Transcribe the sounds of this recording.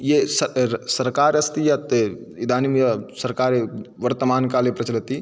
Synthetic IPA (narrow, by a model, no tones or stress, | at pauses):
jesɐsɐɾkaːɾɐst̪ijat̪e | id̪ʱaːnimjasɐɾkaːɾeʋɐɾt̪ɐmaːnkaːlepɾɐt͡ʃɐlɐt̪i